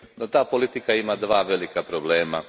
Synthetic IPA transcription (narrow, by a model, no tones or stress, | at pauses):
not̪aːpo̞lit̪ikaimad̪ʋaːʋe̞likapɾoble̞ːma